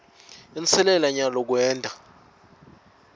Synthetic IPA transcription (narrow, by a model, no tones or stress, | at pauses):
int͡sʰɛlɛlaɲalɔk̬wɛːndʱʼa